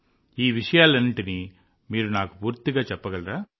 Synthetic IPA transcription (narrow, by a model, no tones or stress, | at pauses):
iːʋɪʂɐjaːlenːɯʈːɯniː | miːɾunaːkɐpuːɾt̪ɪɣaːt͡ʃɛpːɐɣɐɭɾaː